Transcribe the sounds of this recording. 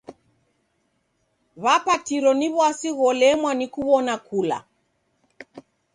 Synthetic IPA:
βapatiɾɔniβwasiɣɔlɛmwanikuβɔnakula̰

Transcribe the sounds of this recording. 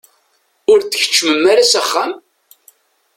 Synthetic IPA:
ʊɾtθəçə̥t͡ʃːməmːaɾasæχːam

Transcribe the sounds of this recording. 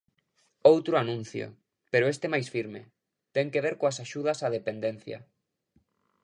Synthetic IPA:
owt̪ɾʊanũn̟θjo̰ | peɾoʊest̪emajsfiɾmḛ | t̪ɛŋkeβeɾkoasaʃuðɐsað̞epend̪en̟θjɐ̰

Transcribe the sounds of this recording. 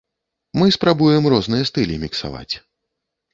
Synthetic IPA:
mɨspɾabujɛmrɔznɨjɐst̪ɨlʲimʲiksa̰va̰t͡sʲ

